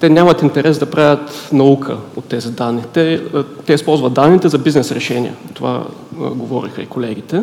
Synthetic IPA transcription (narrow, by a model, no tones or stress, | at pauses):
t̪ɛnʲamɐt̪int̪ɛɾɛzd̪ɐpɾavʲət̪nɐukʰə̰ot̪ːɛzid̪anːit̪ɛt̪ɛispɔlˠzvɐt̪d̪anːit̪ɛzɐbiznɛsɾɛʃɛnʲḭjɐ̰t̪ova̰ɡovɔɾḭxɐ̰ikolɛɡ̟it̪ɛ